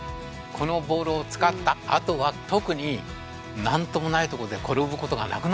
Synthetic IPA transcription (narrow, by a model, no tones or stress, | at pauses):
kʰo̞no̞bo̞ːɾoːt͡sɨ̥kat̪ːaa̰t̪o̞βat̪o̞kɯ̟ɲ̟i | nãnt̪o̞mo̞nait̪o̞koɾod̪e̞ko̞ɾo̞bɯ̟ko̞t̪o̞ɡa̰na̰kɯ̟n